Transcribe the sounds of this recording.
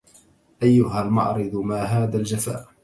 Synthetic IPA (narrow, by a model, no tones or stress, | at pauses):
ʔajːʊɦalmɑ̰ʕɾɨd̪ˤmaːɦaːðald͡ʒafa̰ːʔ